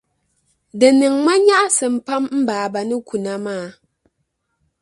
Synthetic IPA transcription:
dɨ˨nɨ˨ŋma˦ɲa˦ʔa˦sɨ˨m̩˨pa˦mm̩˦baː˨ba˨nɨ˦ku˨na˦maː˦˨

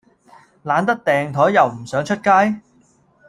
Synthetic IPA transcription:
laː˨˥nt̪̬ɐ˥k̚t̪ɛː˨ŋt̪ʰɔː˨˥jjɐ˨wm̩˨˩sœː˨˥ŋt͡ʃʰɵ˥t̚kaː˥j

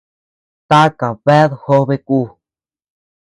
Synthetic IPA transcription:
t̪a˦ka˨βe˦ðho˦βe˧ku˦˨

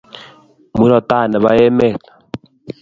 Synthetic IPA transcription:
mu˦ɾɔ˨ta˦˨nɛ˨βa̰˦je˦me˦˨tḁ˨

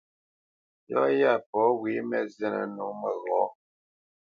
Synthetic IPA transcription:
jɔ̰˦ja˦˨pɔ˨˦wi˨˦mɛ˦zɛ˦nə̰˨nu˨˦mə˦˨ɣɔ˨˦

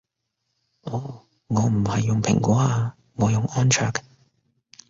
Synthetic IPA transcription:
ʔɔː˨˧˥ | ŋɔː˨˧m̩˨˩hɐ˨jːʊ˨ŋpʰɪ̰˨˩ŋkʷɔː˨˥aː˧ | ŋɔː˨˧jʊ˨ŋʔɔː˥nt͡ʃʰœː˨k

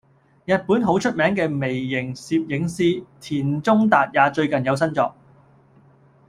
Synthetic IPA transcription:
jɐ˨t̚puː˨˥nɦo˨˥wt͡ʃʰɵ˥t̚mɛː˨˥ŋkɛː˧me˨˩jːɪ˨˩ŋsiː˧p̚jɪ˨˥ŋsiː˥t̪ʰiː˨˩nt͡sʊ˥ŋt̪aː˨t̚jaː˨˧t͡ʃɵ˧ɥkɐ˨njɐ˨˧ws̬ɐ˥nt͡sɔː˧k̚

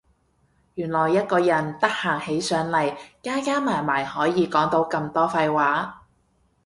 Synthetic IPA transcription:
jyː˨˩nlɔː˨˩jːɐ˥t̚kɔː˧jɐ˨˩nt̪ɐ˥k̚haː˨˩ŋhe˨˥jsœː˨˥ŋlɐ˨˩jkaː˥kaː˥maː˨˩jmaː˨˩jhɔː˨˥jiː˨˧kɔː˨˥ŋt̪o˨˥wkɐ˧mt̪ɔː˥fɐ˧jwaː˨˥

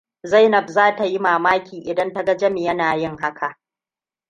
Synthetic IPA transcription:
za˦jnɐ˨bzaː˦ta˨ji˦maː˨maː˦kʲiː˨ʔɪ˨dɐ˦ntɐ˦ɡɐ˦d͡ʒɐ˦me˨jɐ˦naː˨jɪ˦ŋɦa˦kʰa˨ʔ

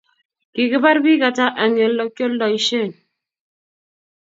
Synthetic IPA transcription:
ki˨ki˦ba˦ɾbi˦ka˨ta˦ʔa˨ŋe˨˦lɔ˦kjo˦llɔ˨i˦ʃe˦˨n

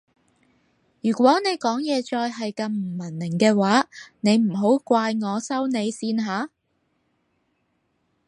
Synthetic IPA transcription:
jyː˨˩kʷwɔː˨˥ne˨˧jkɔː˨˥ŋjɛː˨˧t͡ʃɔː˧jɦɐ˨jkɐ˧mm̩˨˩mɐ˨˩nːɪ˨˩ŋkɛː˧waː˨˥ne˨˧jm̩˨˩ɦo˨˥wkʷaː˧jŋɔː˨˧sɐ˥wne˨˧jsiː˧nɦaː˨˧˥

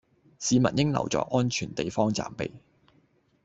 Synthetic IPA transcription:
siː˨˧mɐ˨t̚jɪ˥ŋlɐ̰˨˩wt͡sɔ̰ː˧k̚ʔɔː˥nt͡ʃʰyː˨˩nt̪e˨jfɔː˥ŋt͡sa̰ː˨mpḛ˨j

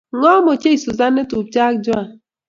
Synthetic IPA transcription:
ŋɔ˦mo˨t͡ʃe˦i˨su˨za˦ne˦tu˨p̚t͡ʃa˦kd͡ʒʊ˦a˨

